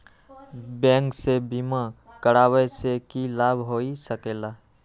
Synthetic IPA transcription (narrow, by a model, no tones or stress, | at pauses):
bɛ̃ːŋksebiːmã | kəɽaːwɛsekilaːbʱɦoːisəkeːlaː